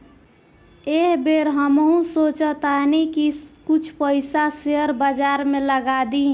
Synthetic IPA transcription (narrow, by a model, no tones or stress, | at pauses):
eɦbeɾɦəmɦũsot͡ʃət̪anikikut͡ʃʰpəɪsaseəɾbəd͡ʒaɾmẽləɡad̪i